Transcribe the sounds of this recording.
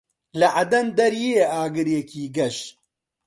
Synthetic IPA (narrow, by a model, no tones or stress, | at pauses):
lɐʕɐd̪ɐnd̪ɐɾjeːaːɡɨɾjekiːɡɐʃ